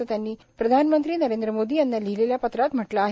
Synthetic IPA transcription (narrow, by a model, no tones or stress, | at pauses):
ət̪janːiː | pɾəd̪ʱanmənt̪ɾiːnəɾend̪ɾəmod̪iːjanːalileljapət̪ɾat̪m̤əʈlaːɦ